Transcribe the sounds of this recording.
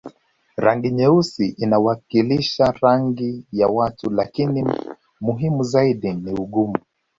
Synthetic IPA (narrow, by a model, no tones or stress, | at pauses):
ɾaŋɡiɲɛusiʔinawakiliʃaɾaŋɡijawatulakini | muɦimuzaiɗiniuɠumu